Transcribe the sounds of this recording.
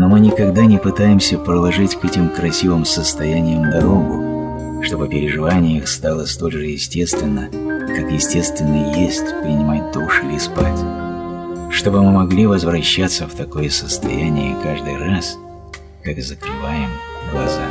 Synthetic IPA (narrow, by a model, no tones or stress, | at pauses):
nomɨnʲɪkɐɡd̪anʲɪpɨt̪ajɪmsʲəpɾəlˠɐʐɨtʲkɛtʲɪmkɾɐsʲivɨmsəst̪ɐjænʲɪjəmd̪ɐɾo̞ɡʊ | ʂt̪o̞bɨpʲɪɾʲɪʐɨvanʲɪjəxst̪alˠəst̪o̞lʲʐɨjɪsʲtʲe̞st̪vʲɪnːə | kakjɪsʲtʲe̞st̪vʲɪnːəjjesʲtʲpɾʲɪnʲɪmat̚ʲt̪oʂɨlʲɪspatʲ | ʂt̪o̞bɨmɨmɐɡlʲivəzvɾɐɕːat̪sːəft̪ɐko̞jəsəst̪ɐ̰jænʲɪjəkaʐd̪ɨjras | kakzəkɾɨvajɪmɡlˠɐza